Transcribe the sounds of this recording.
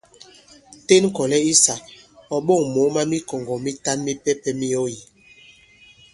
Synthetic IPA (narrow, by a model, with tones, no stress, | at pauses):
te˦n˦kɔ˨lɛ˦i˦sa˨ | ɔ˨ɓo˦˨ŋmo˨˦ma˦mi˦kɔ˨ŋɡɔ˨mi˦ta˦nmi˦pɛ˦pɛ˦mi˦o˦ji˨